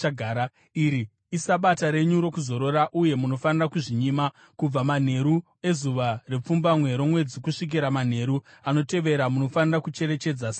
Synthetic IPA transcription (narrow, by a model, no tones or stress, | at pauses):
ɡʱaɾa | iɾi | isaɓataɾe̞ɲuɾo̞kuzo̞ɾo̞ɾaʔuje̞muno̞fanirakuʐiɲima | kub͡vaman̤e̞ɾu | e̞zuʋare̞p͡fumbamwe̞ɾo̞mwe̞d͡zikuʂik̬iɾaman̤e̞ɾuano̞te̞ʋe̞ɾamuno̞fanirakut͡ʃe̞ɾe̞t͡ʃe̞d͡zasa